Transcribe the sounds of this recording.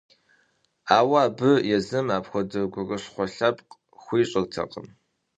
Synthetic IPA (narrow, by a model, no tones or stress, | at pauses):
aːwaːbɨjɛzɨmaːpxʷɔdɨɡʷɔrɐɕχʷɔɬɐpq | xʷiːɕʼɐrtʰɐ̰qʼəm